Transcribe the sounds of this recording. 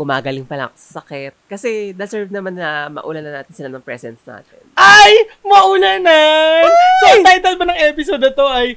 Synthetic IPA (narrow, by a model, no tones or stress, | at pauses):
ɡʊmaːɡɐlɪŋpɐlɐ̰ŋsɐkɛt̪̚kɐsɛnɐsɛɹvnɐmanːɐmɐ̰ʔṵːlɐnɐna̰ːt̪ɪnsɪlanɐŋpɾɛ̰sɛnsna̰ːt̪ɪnʔajmɐʔuːlɐna | sot̪ajt̪ɐlbɐnɐŋʔɛpɪsod̪ot̪o̞ʔɐj